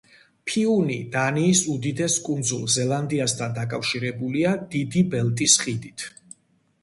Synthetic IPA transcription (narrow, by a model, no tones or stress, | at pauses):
pʰiunid̪aniːsud̪id̪ɛskʼund̪zulˠzɛlˠand̪iast̪ʰand̪akʼafʃiɾɛbuliad̪id̪ibɛlt̪ʼisχid̪it̪ʰ